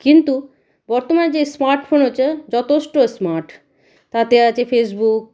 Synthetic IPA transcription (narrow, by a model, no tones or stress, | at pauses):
kint̪u | bɔɾt̪omaned͡ʑesmaɾʈfʰonɦot͡ɕʰed͡ʑɔt̪ʰeʃʈosmaɾʈ | t̪at̪eat͡ɕʰefesbuk̚